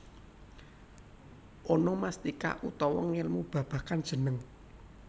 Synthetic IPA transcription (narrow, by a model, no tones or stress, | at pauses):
ʔɔnɔmast̪ika̰ʔut̪ɔwɔ̰ŋɪlmub̥ä̤b̥ä̤kand̥ʒ̥ə̤nəŋ